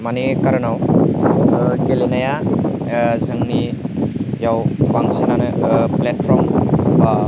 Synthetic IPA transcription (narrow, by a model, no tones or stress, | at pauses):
manikaɾɯnaw | ɡelenaja | zɯŋni | jawbaŋsinanɯplet̚pʰɾɔmba